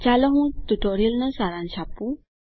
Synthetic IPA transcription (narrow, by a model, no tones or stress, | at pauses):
t͡ʃalɔɦũt̪uʈɔɾilnəsaɾanɕapu